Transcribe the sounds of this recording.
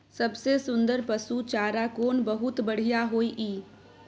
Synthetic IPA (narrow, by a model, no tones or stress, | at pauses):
sɐbsesʊ̃nd̪əɾpəsut͡ʃaːɾakoːnbəɦʊt̪bɐɽ̤ijaɦoːiʔiː